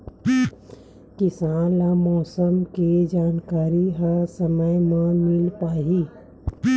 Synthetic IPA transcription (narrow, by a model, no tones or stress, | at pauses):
kɪsãːnlamɔːsəmked͡ʒaːnkaːɾiɦəsəməjmãmɪlpaːɦi